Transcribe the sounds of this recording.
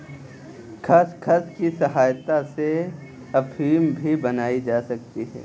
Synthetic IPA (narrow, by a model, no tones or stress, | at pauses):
kʰɐskʰɐskisɐɦaːjt̪ase | ɐpʰiːmbʱibɐnaːid͡ʒaːsɐk̚t̪iɦɛ̰ː